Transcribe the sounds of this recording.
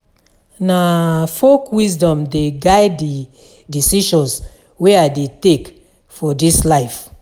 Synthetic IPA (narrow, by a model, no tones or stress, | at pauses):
nafokwisdɔ̃mdeɡaɪdi | disiʃɔ̃ns | wɛadetek | fɔdislaɪf